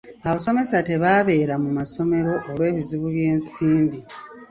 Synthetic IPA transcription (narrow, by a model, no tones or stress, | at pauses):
aβaso̞me̞sate̞βaːβe̞ːɾamumaso̞me̞ɾo̞ʔːɾwe̞ːβiziβuβje̞ːnsiːmbi